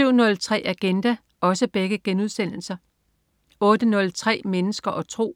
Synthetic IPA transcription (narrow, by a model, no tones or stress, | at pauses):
yʊ̰nɔ̽lt͡sʰʁɛ̰ːæɡ̥end̥æ | ɒ̽səb̥eɡ̥əɡ̥enuð̞̰ˠsen̰l̩sɐ | ɔ̽ːd̥ənɔ̽lt͡sʰʁɛ̰ːmenəsɡ̥ɐʔɒ̽t͡sʰʁo̝̰ː